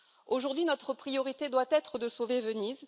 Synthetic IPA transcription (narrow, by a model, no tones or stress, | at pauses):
oʒuʁd̪ɥinɔt̪χəpχijɔʁit̪ed̪wat̪ɛt̪χəd̪əsovevəniz